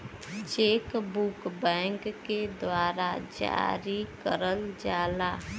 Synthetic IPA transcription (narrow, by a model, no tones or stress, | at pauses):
t͡ʃeːkbukbɛ̃ːŋkːed̪waːɾad͡ʒa̰ɾikəɾəld͡ʒaːlaː